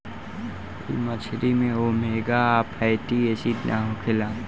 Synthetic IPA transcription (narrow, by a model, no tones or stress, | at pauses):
ɾḭmət͡ʃʰɾimẽoːmeːɡaːpajʈiesid̪naɦokʰɪlãː